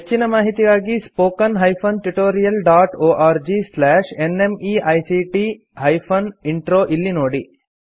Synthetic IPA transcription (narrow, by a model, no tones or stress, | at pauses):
ɦet͡ʃːinɐmaːɦit̪iɡaːɡispoːkɐnɦɐjpʰɐnʈuʈoːɾijɐlɖaːʈoːʔaːɾd͡ʒislɛːʂenemiːʔɐjsiʈi | ɦɐjpʰɐniɳʈɾoːʔilːinoːɽi